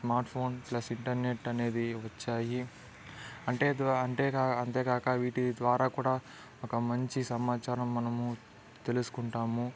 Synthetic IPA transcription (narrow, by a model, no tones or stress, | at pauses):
smaːɾʈpʰo̞ːnplɐsiɳʈɐɾne̞ʈːɐne̞ːd̪iʋɐt͡ʃːaːji | ɐɳʈe̞ːd̪ɐɳʈeːɐnt̪e̞ːkaːkɐʋiːʈid̪ʋaːɾaːkuːɽaː | okɐmɐɲt͡ʃisɐmaːt͡ʃaːɾɐmːɐnɐmu | t̪e̞lusu̥kuɳʈaːmu